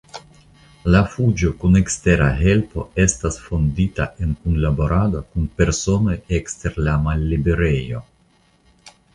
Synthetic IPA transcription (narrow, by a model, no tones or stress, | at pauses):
lafud͡ʒo̞kune̞kste̞ɾaɦe̞lpo̞̰e̞stasfo̞ndita̰ʔe̞nkunlabo̞ɾado̞kunpe̞ɾso̞no̞jekste̞ɾlamalːibe̞ɾe̞jo̞̰